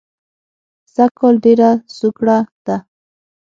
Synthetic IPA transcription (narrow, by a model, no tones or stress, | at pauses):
sakold̪ɪɾasʊkɽat̪a